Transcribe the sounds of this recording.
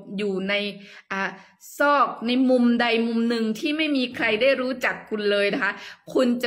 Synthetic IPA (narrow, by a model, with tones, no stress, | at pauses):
juː˨˩na˧j | ʔaː˨˩ | sɔː˥˩k̚na˧jmu˧mda˧jmu˧mnɯ˧ŋt̪ʰiː˥˩ma˥˩jmiː˧kʰɾa˧jda˥˩jɾuː˦˥t͡ɕa˨˩kʰːu˧nlɤː˧jna˦˥kʰa˦˥ʔkʰu˧nt͡ɕa˨˩